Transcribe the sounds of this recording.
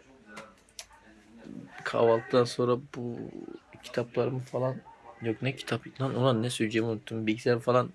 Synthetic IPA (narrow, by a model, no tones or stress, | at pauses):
kʰa̰valˠt̪̚d̪ʰanso̞nɾabṵ | cʰi̥t̪ʰaplˠaɾɯmɯfalˠanjoknɛcʰi̥t̪ʰapinanonanːɛsyd͡ʒemunut̪ʰːumbiɟʲizæɾfalˠan